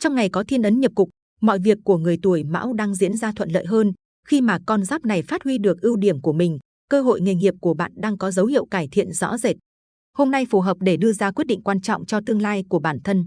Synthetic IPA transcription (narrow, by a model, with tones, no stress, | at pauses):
t͡ɕɔ˧wŋ͡mŋa˨˩jkɔ˨˦t̪ʰi˧ənʔə˨˦nɲə˨˩p̚kʊ˨˩k͡p̚ | mɔ̰˧˨jvi˨˩əkːu˧˩əŋɨ˨˩əjt̪u˧˩əjma̰ː˧˥wɗaː˧ŋzḭ˧˥ənzaː˧t̪ʰwə̰˧˨nlə̰ː˧˨jɦəː˧n | xi˧maː˨˩kɔ˧˩nzaː˦˥p̚na˨˩jfaː˦˥t̚hwi˧ɗɨ˨˩ək̚ʔi˧wɗi˧˩əmku˧˩əmï˨˩ŋ̟ | kəː˧ɦo̰˧˨jŋe˨˩ŋi˨˩əp̚ku˧˩əɓa̰ː˧˨nɗaː˧ŋkɔ˨˦zə˨˦whḭ˧əwkaː˧˩jt̪ʰḭ˧˨ənzɔ̰˧˥ze˨˩t̚ | ho˧mna˧jfu˨˩ɦəː˨˩p̚ɗe˧˩ɗɨ˧əzaː˧kwi˦˥t̚ɗḭ˧˨ŋkwaː˧nt͡ɕɔ̰˧˨wŋ͡mt͡ɕɔ˧t̪ɨ˧əŋlaː˧jku˧˩əɓaː˧˩nt̪ʰə˧n